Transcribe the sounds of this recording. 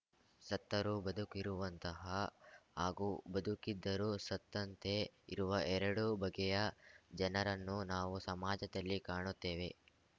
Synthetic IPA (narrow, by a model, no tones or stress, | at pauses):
sɐt̪ːɐɾubɐd̪ukiɾuʋɐnt̪ɐɦɐɦaːɡubɐd̪ukid̪ːɐɾusɐt̪ːɐnt̪e̞iɾuʋɐʔɛɾɐɽubɐɡɛjɐd͡ʒɐnɐɾɐnːunaːʋusɐmaːd͡ʒɐd̪ɐlːikaːɳut̪ːe̞ːʋe̞